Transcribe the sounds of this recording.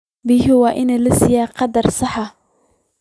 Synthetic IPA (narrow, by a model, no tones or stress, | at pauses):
bɪɦɪwɑːʔɪnɛlɐsɪjaːqɑd̪ɐrsɑħɑ